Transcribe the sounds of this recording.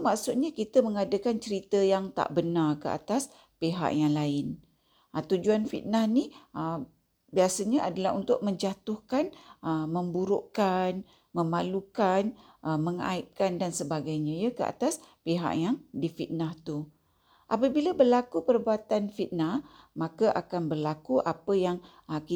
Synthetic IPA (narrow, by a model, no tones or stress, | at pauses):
maksut̪̚ɲakit̪əməŋadəkant͡ʃəɾit̪əjaŋt̪a̰ʔbənarkəa̰t̪as | peɦa̰ʔjaŋlaɪn | ət̪ud͡ʒuanfḭt̪̚nahniə | biasəɲəʔadalaɦunt̪ʊʔ̚mə̃ɲd͡ʒat̪ʊhkanəməmbuɾʊʔkan | məmalukanʔəməŋa̰ip̚kandansəbaɡajɲãjəkəa̰t̪aspeɦa̰ʔjaŋdifit̪̚naht̪u | ʔapəbilabərlakupərbuat̪anfit̪̚nahmãkaʔakanbərlakuʔapəjaŋ | əki